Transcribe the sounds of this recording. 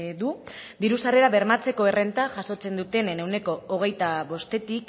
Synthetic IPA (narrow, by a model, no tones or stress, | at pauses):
ðud̪iɾusare̞ɾaβe̞ɾmat͡se̞ko̞e̞re̞nt̪aʝaso̞t͡se̞nd̪ut̪e̞nene̞wne̞ko̞ːɣ̞e̞jt̪aβo̞st̪e̞t̪ik